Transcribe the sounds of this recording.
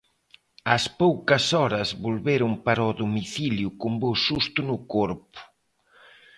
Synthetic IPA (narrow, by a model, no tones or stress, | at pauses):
ɐspowkɐsɔɾɐzβolβeɾʊmpaɾɐɔðomiθiljʊkʊmbosust̪ʊnʊkoɾpʊ̥